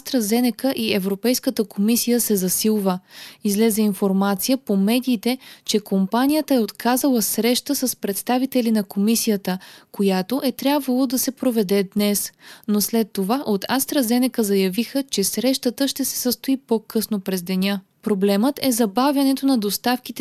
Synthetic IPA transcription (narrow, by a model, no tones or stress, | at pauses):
ast̪ɾɐzɛnɛkəʔiɛvɾopɛjskət̪əkʰomisijəsɛzɐsilˠvəizlɛzɛinfoɾmat̪sijəpomɛd̪iːt̪ɛt͡ʃɛkompanʲijət̪əɛot̪kazɐlˠəsɾɛʃt̪əsəspɾɛt̪st̪avit̪ɛlinɐkomisijət̪əkojat̪oʔɛt̪ɾʲjabvəlˠod̪ɐsɛpɾovɛd̪ɛd̪nɛsnoslɛt̪ːovaʔot̪ʰast̪ɾɐzɛnɛkəzɐjɐvixət͡ʃɛsɾɛʃt̪ət̪əʃt̪ɛsɛ̥səst̪oipokʰɤsnopɾɛzd̪ɛnʲa | pɾoblɛmət̪ɛzɐbavʲjɐnɛt̪onɐd̪ost̪afk̟it̪